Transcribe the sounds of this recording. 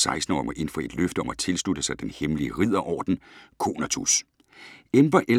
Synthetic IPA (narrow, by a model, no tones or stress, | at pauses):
sɑ̈ɪsd̥n̩ɒ̰ːɪmɒʔe̝n̰fɒe̝d̥løfd̥əɒ̽mæt͡sʰe̝lsdlud̥əsɑ̈ɪd̥enhemliəʁið̞̰ˠɐʔɒ̰ːd̥n̩kʰo̝̰ːnæt͡sʰus | emb̥ɐʔe